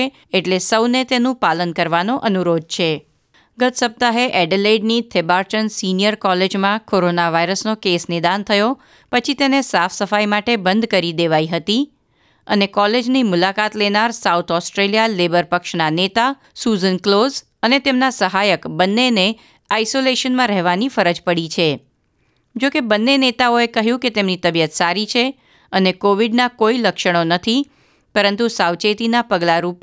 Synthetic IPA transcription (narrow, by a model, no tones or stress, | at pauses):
e | eʈlesəwnet̪enũpalənkəɾʋanoʔənuɾod̪̚t͡ʃʰe | ɡət̪səb̚t̪aɦeʔɛɖeleiɖnit̪ʰebaɾʈənsinijəɾkɔled͡ʒmãkoɾonaʋaiɾəsnokesnɪd̪ant̪ʰəjo | pət͡ʃʰit̪enesafʰsəfajmaʈebənd̪kəɾid̪eʋaiɦət̪i | ə̰nekɔled͡ʒnimʊlakat̪lenaɾsawt̪ʰɔsʈɾelijalebəɾpəkʃnanet̪a | suzənkloz | ənet̪emnasəɦajəkbənːene | aisoleʃənmãɾɛɦʋanifəɾəd͡ʒpəɽit͡ʃʰe | d͡ʒokebənːenet̪aoekəɦjũket̪emnit̪əbijət̪saɾit͡ʃʰe | ənekoʋiɖnakoiləkʃəɽ̃onət̪ʰi | pəɾənt̪usawt͡ʃet̪inapəɡlaɾup